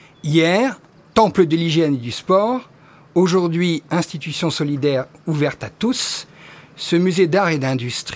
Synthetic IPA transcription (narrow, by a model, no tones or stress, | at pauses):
ijɛːʁ | t̪ɑ̃pləd̪əliʒjɛned̪yspɔːʁ | oʒuʁd̪ɥiɛ̃st̪it̪ysjɔ̃sɔlid̪ɛʁuvɛʁt̪at̪usː | əmyzed̪aʁed̪ɛ̃d̪yst̪χi